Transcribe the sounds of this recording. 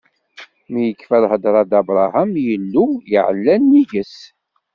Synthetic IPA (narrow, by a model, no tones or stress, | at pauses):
mijəkːfælhəd̪ɾˤɑd̪ɑbɾˤɑhæmjəlːujiʕə̰lːænːiʝəs